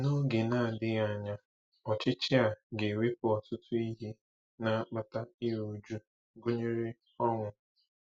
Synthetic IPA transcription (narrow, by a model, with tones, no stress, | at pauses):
no˦ɡe˨na˦˨dɪ˦ɣa˨ɲa˦ | ɔ˨t͡ʃɪ˦t͡ʃɪ˦a˨ɡe˨wi˦p̚ʊ˨ɔ˨tʊ˦tʊ˦i˦ɦi˦ | na˦a˦k͡pa˦ta˦i˦ɾu˨d͡ʒu˦ | ɡʊ˦ɲe˦ɾɪ˦ | ɔ˦ŋʷʊ˨